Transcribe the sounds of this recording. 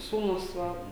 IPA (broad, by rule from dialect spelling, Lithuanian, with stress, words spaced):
ˈsuːnʊs ˈʋɐ